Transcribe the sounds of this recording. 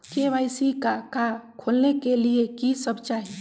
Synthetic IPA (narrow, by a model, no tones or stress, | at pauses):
keʋajsikakakʰolnekeliekisəbʱt͡ʃaɦi